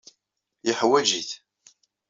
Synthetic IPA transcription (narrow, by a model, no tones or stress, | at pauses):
jəħwæd͡ʒiθ